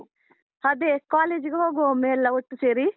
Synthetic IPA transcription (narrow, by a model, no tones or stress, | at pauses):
hɐd̪ekaːleːd͡ʒiɡeɦoːɡoːmeːlːɐoʈːuseːɾi